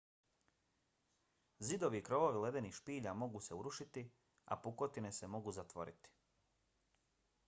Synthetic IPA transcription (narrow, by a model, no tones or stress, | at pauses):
zid̪o̞ʋiːkɾo̞ʋo̞ʋile̞d̪e̞nixʃpiːʎamo̞ɡuse̞uɾuʃit̪i | a̰puko̞t̪ine̞se̞mo̞ɡuzat̪ʋo̞̰ɾḭt̪i̥